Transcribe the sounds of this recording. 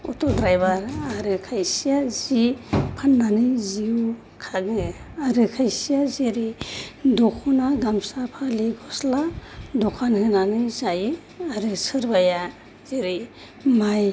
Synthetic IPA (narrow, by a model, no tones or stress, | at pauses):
ṵtɔdɾajbaɾaɾɯkʰajsijazipʰandanɯziu | kʰaɡɯaɾɯkʰajsijaziɾidɔkʰɔnaɡamsapʰaliɡɔsladɔkʰanhɯnanɯzajɯ | aɾɯsɯɾbaja | ziɾi | maj